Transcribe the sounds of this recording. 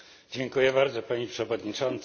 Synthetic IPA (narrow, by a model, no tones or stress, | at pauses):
d͡ʑɛŋkujɛbaɾd̪zɔpaɲipʂɛvɔd̪ɲit͡ʂɔnt̪s